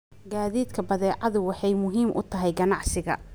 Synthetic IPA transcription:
ɡaːðiːd̪kʰɐbɐðɛːʕɑðʊwɑħɑjmʊɦiːmʔʊ̰t̪ʰɐɦɛjɡɐnɑʕsɪɣɐ̰

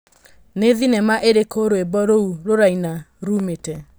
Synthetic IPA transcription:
neðinɛmaʔeɾekoɾoebɔɾouɾoɾaina | ɾumetɛ

